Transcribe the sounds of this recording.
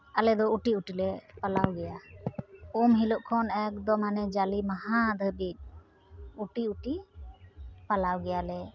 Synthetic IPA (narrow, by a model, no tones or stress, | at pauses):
alɛd̪ɔuʈiuʈilɛpalawɡɛja | umɦilɔʔkʰɔnɛk̚d̪ɔmanɛd͡ʒalimahad̪ʱəbit̪̚ | uʈiuʈi | palawɡɛjalɛ